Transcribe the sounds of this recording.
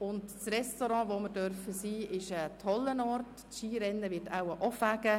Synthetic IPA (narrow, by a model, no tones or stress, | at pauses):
ʊndsrɛstoɾɑ̃ːvoməɾdœɾfəsiːɪʃətʰɔlːənɔrt | ʃiːɾɛnːəʋɪɾtʰa̰wəʔɔfæɡ̥ə